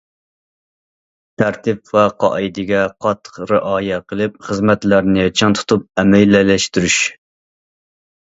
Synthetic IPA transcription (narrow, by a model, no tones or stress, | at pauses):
t̪ʰæɾt̪ɪpvɛqʰɑ̰id̪ɪɡʲɛqʰɑt̪ʰːə̥χɾɪʔɑːjɛqʰəlˠɪp̚χəzmɛt̪læɾnɪt͡ʃʰɑnt̪ʰu̥t̪ʰup̚ɛmɛjlːɪlɛʃt̪yɾyʃ